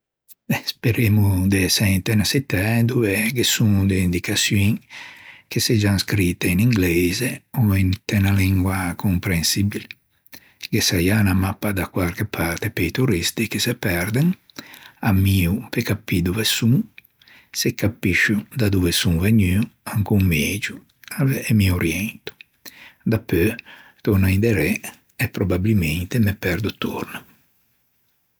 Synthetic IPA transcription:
espeɾemud̪esɛint̪ɛnasit̪ːɛd̪uveɡesuŋd̪eind̪ikasjuŋ | kesed͡ʒaŋskɾit̪ːeiniŋɡlezeoint̪ɛnaliŋɡwakʰompɾensibil | ɡesajanamapːad̪akwaɾkepʰaɾt̪epejt̪uɾist̪ikesepɛɾd̪eŋ | amiːupekapːid̪uvesuŋ | sekːapːiʃːud̪ad̪uvesuŋveɲyuaŋkuŋmed͡ʒu | avːmioɾjɛnt̪u̥ | d̪apːøt̪onaind̪eɾe | ɛpːɾobabilment̪emepɛɾd̪ut̪ːṵɾna

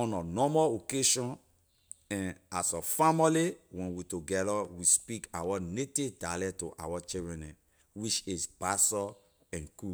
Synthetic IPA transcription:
ɔ̃nɔnɔmɔokeʃɔ̃n | ɛ̃nasɔfamiliwɛ̃nwituɡɛdawispikawanetivdalɛtoʔa̰wat͡ʃiɹɛ̃nɛ̃n | wit͡ʃisbasɔ | ɛ̃nku

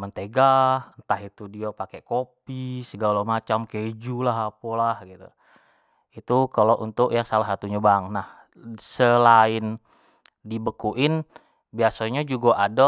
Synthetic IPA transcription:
mənt̪eɡahənt̪aɦit̪udiapakeʔkopisəɡalomat͡ʃamked͡ʒulaɦapolahɡit̪ṵ | it̪ukaloʔunt̪ʊʔjaŋsalasat̪uɲabaŋnah | səlaɪn | dibəkuʔɪn | biasaɲad͡ʒuɡaʔada

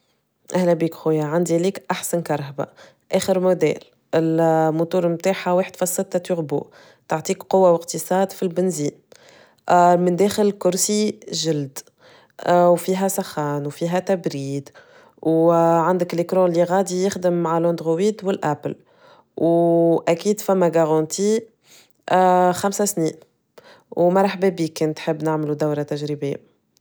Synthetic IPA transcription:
ʔæhlɛbiːkxujaʕand̪iliːkʔaħsænkɑɾˤɦba̰ | ʔæːxəɾmʊd̪ɛ̰ːl | ɪlmʊt̪uːɾmt̪aːħaweːħd̪fɑsˤːɪt̪ːæt̪yɣbṵ | t̪aʕt̪ˤiːkqʊwːawɪqt̪əsˤɑːd̪filbɪnziːn | mɪnd̪ɛːxɪlkʊɾsiʒɪld̪ | wfiːɦæsˤɑxɑːnwfiːɦæt̪æbɾiːd̪ | wʕand̪əklɪkɾɑ̃liɣaːd̪ijɪxd̪əmːaʕalɑ̃nd̪ɣowiːd̪wɪlʔæpl | wʔækiːd̪fæmːæɡaɣɑnt̪i | xamsæsniːn | wmɑɾˤħbæbiːkːɛnt̪ħəbːnaʕmlud̪awɾat̪æʒɾibeː

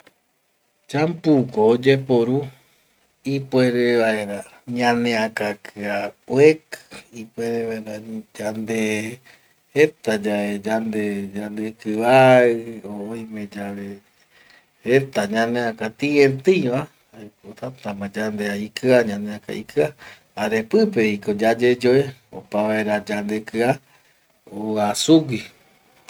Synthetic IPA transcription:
t͡ʃãmpukoːd͡ʒepoɾu | ipwʷeɾeβaeɾa | ɲãnẽakakʰɨawekɨ̥ipwʷeɾeʋaeɾad͡ʒand̪e | et̪ad͡ʒaed͡ʒand̪ed͡ʒand̪ekɨβaɨooj̃mẽd͡ʒaβe | ɾet̪aɲãnẽakat̪ĩẽt̪ɨj̃ʋa | akot̪at̪amãd͡ʒand̪eaikɨaɲãneaka̰ʔḭkɨa | aɾepɨpeikod͡ʒad͡ʒed͡ʒoeo̰paβaeɾad͡ʒand̪ekɨa | oasuɡʷi

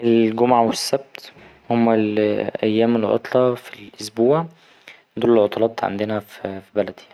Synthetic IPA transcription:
ʔelɡomʕawesːæb̚t̪ | homːælʔæ̰jːæːmelʕo̰t̪ˤlɑfilʔosbuːʕ | d̪uːlelʕot̪ˤɑlɑːt̪ˤʕa̰nd̪enæffibælæd̪i̥

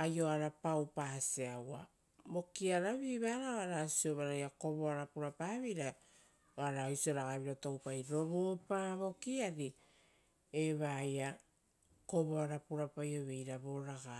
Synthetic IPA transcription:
ajo̞aɾapawpaseawa̰ | bo̞kiaɾaβiβaːɾaoaɾasio̞βaɾajako̞βo̞aɾapuɾapaβiɾa | oaɾajsio̞ɾaɡaβiɾatowpajɾo̞βopaβo̞kiaɾi | eβaja | ko̞βo̞aɾapuɾapajo̞βe̞jɾaβo̞ɾaɡa

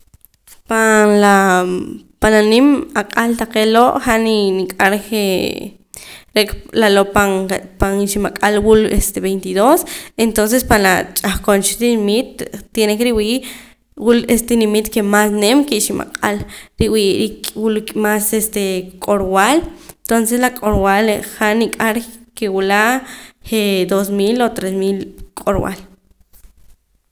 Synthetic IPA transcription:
panla | pananimaqʼalt̪aqeloʔχaʔninikʼaɾke | ɾeklaloʔpaŋpanʃimaqʼalwulest̪eβejnt̪iðosent̪ons̬espanlat͡ʃʼaχkont͡ʃit̪inimit̪̚ːjenekɾiwiːʔ | wulest̪enimit̪kemasnemkiʔʃima̰qʼa̰lɾiwiɾikwulkʼmasest̪ekʼoɾwalnt̪onseslakʼoɾwaleχanikʼaɾkewulahed̪os̬milot̪ɾesmilkʼoɾwa̰l

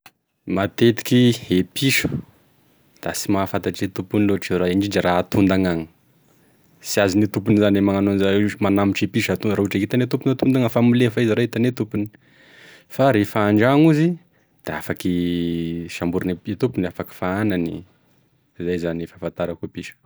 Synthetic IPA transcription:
mat̪et̪i̥kiepʰiʃu̥ | d̪̥asimafat̪aʈ͡ʂet̪upuniloʈ͡ʂiraiɳɖ͡ʐiɖ͡ʐiraːt̪und̪aŋaŋə̥ | siazinit̪up̬unizanemaŋanonizamanamiʈ͡ʂepiʃat̪unɾaɦuʈ͡ʂait̪anet̪upunat̪und̪aŋəfamilefaiziɾait̪anet̪upuni̥ | faɾefaːɳɖ͡ʐaŋuzi | d̪̥eafaki | ʃambuɾaneit̪upuniafaki̥faananḭ | zajzanifafant̪aɾakuepiʃu̥

